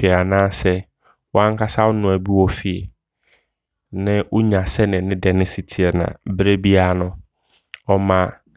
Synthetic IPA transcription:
ɛ˨a˨nãː˦˨sɛ˦ | wɔ˦ã˦ŋ˦kʰa˦sa˦ʊ˦nʊ̃˨æ˨bi˦wɔ˦fi˨ḛ˨ | nɪ̃˦ʔʊ˦ɲã˨sɛ˦nɪ̃˨nɪ̃˦dɛ˨nɪ̃˦si˨tʰi˨ɛ˨nã̰˨bɾe˦bi˦a˦˨nʊ̃˦ | ɔ˦mã˦

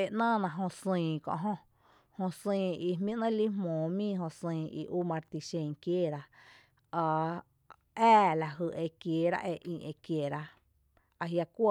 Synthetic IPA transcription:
e˧˨ʔnãː˦˨nã˧˨ɦõ˧sĩː˧˨kõ̰˧˨ɦõ˧ | hõ˧sĩː˧i˧hmĩ˦ʔnə̃˦li˦ɦmõː˨˦mĩː˦˨ɦõ˧sĩː˧˨ḭ˧˨ʔu˦mã˧ɾt̪i˧ʃẽ˧˨ŋkjeː˦˨ɾa˧ | a˧ | ɛː˦˨la˨ɦɨ˧ʔe˧˨kjeː˨ɾa̰˦ʔe˧˨ʔĩ˧˨ʔe˧˨kje˨ɾa˧ | a˧ɦja˧kʷə˦˧

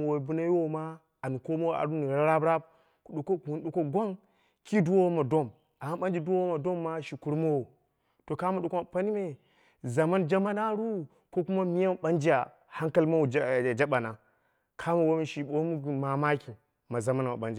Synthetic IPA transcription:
wo˨bu˦na˦jwo˦ma˦ | a˨nu˨ko˦mo˦wa̰˨ɾu˦ni˨ɾa˦ɾa˦bɾa˦b̚ | ku˨ɗo˨ko˦ku˨˦nɗo˨ko˦ɡʷo˦ŋ | ki˦du˦wo˦wo˦ma˨do˦m | a˨ma˦nɓa˦nd͡ʒi˦˨du˦wo˦wo˦ma˨do˦mːa˦ʃi˨ku˦ɾmo˦wo˨ | to˨ka˦ma˨ɗo˨ko˦ma˨pa˦ni˦me˦ | za˨ma˦nd͡ʒa˦ma˦na˦ɾu˦ | ko˦ku˦ma˦mi˦ja˦m˨ɓa˦nd͡ʒi˦ja˨ | ha˦ŋka˦lma˦wu˨˦˨d͡ʒa˦ɓa˨na˨ | kʰa˦ma˨wo˦mi˦ʃi˨o˨˦mu˦˨ma˨ma˦kʲi˨ | ma˨za˨ma˦n˨ma˨ɓa˨nd͡ʒi˨

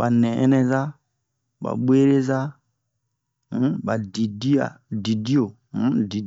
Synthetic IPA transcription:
ɓa˨nɛ˨ɛ̰˦nɛ˦za˦ | ɓa̰˨ɓwe˦ɾe˦za˦ | ɓa˨di˨di˦a̰˨ | di˨di˦o˨˦ | di˨

